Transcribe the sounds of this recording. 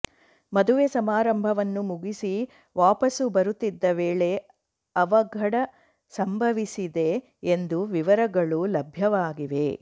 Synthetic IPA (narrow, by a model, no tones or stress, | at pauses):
mɐd̪uʋesɐmaːɾɐmbʱɐʋɐnːumuɡisi | ʋaːpɐsubɐɾut̪ːid̪ːɐʋeːɭe̞ | ɐʋɐɡʱɐɽɐ | sɐmbʱɐʋisid̪e̞ː | nd̪uʋiʋɐɾɐɡɐɭulɐbʱjɐʋaːɡiʋe̞̰